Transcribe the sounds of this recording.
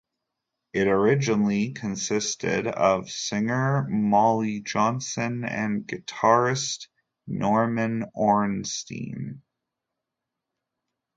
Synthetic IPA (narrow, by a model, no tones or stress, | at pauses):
ɪɾə˞ɪd͡ʒɨnl̩ˠikʰɨ̃nsɪstɪ̰ɾʌ̰v̥sɪ̃ŋə˞mɑlˠid͡ʒɑ̃nsɨ̃nɨ̰̃nɡɨtʰɑɹɨst | nɔɹmɨ̃nɔɹ̃nstḭ̃n